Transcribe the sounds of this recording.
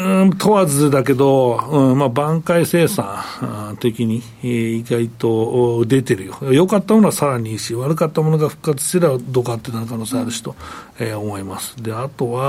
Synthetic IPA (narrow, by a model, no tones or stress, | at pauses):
ɯ̃t̪ʰo̞βad͡zɨd̪ake̞d̪o̞ɯ̃mabãŋkaise̞ːsãt̪e̞kʲiɲ̟iː | ɡait̪o̞d̪e̞t̪e̞ɾɯ̟jo̞ajo̞kat̪ːamonoasaɾaɲ̟iɕiβaɾɯ̟kat̪ːamo̞no̞ɡaɸɯ̟̥kːat͡sɨ̥ɕt̪eɾebad̪o̞kat̪ːenaɾɯkanoːsẽaɾɯ̟ɕi̥t̪o̞eomo̞imasɨ̥d̪e̞at̪o̞βa